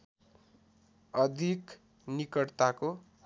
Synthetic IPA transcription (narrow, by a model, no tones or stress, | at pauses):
ʌd̪ʱik | nikʌɽt̪ako